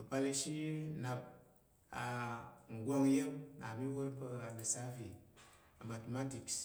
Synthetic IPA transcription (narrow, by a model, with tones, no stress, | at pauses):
ə˨pa˧le˧ʃi˦na˨b̚ | a˨ŋ̩˨ɡʷo˦ŋ˦je˦mna˨mi˦wo˦ɾpə˦˨nə˨sa˦vi˨ | a˨ma˨tma˦ti˨ks